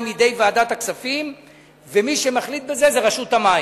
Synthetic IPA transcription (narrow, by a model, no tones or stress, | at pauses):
midejvaːdat̪aksafim | vemiʃemaχlit̪̚be̞ze̞zeʁaʃutamai